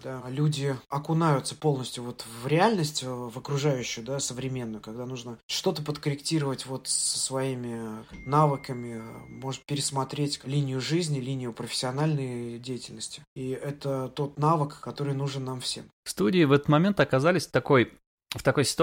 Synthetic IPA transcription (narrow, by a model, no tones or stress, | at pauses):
d̪alʲudʲɪɐkʊnajʊt̪sə̥po̞lˠnəsʲtʲjʊvo̞t̪vɾʲɪalʲnəsʲtʲvəkɾʊʐajʉɕːʊjʊd̪asəvɾʲɪmʲe̞nːʊjʊkaɡ̚d̪anuʐnəʂt̪o̞t̪əpət̪kəɾʲɪktʲiɾəvətʲvo̞t̪sə̥svɐimʲɪnavɨkəmʲɪmo̞ʐɨt̪̚pʲɪɾʲɪsmɐt̪ɾʲetʲlʲinʲɪjʊʐɨzʲnʲɪlʲinʲɪjʊpɾəfʲɪ̥sʲːɪɐnalʲnəjdʲejɪtʲɪlʲnəsʲtʲɪ̥iɛt̪ət̪o̞t̪navəkːɐt̪o̞ɾɨjnuʐɨnːamfsʲe̞̰mfst̪udʲɪːvɛt̪ə̥t̪mɐmʲe̞nt̪ɐkɐzalʲɪsʲt̪ɐko̞j | ft̪ɐko̞jsʲɪ̥t̪